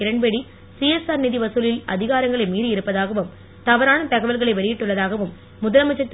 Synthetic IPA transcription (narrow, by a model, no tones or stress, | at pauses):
ɪɾɐɳbɛɽi | siɛsaːɾnɪðiʋɐsɯlɪlɐ̰ðɪɣaːɾɐŋɡɐɭɐɪmiːðɯɪɾɯpːɐðaːɣɐʋɯm | t̪ɐʋɐɾaːnɐt̪ɐɣɐʋɐlɣɐɭɐɪʋɐɭɪjɪʈːɯɭːɐðaːɣɐʋɯmː | ʊðɐlɐmɐt͡ʃːɐt̪ː